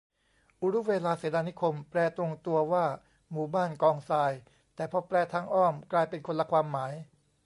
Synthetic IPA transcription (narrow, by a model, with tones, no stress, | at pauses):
ʔu˧˥ɾu˦˥weː˧laː˧seː˩˦daː˧ni˦˥kʰo˧mpɾɛː˧t̪o˧ŋt̪u˧ɐwaː˥˩ | muː˨˩baː˥˩nkɔː˧ŋsaː˧j | t̪ɛː˨˩pʰɔː˧pɾɛː˧t̪ʰaː˧ŋʔɔː˥˩mklaː˧jpe˧nkʰo˧nla˧kʰwaː˧mːaː˩˦j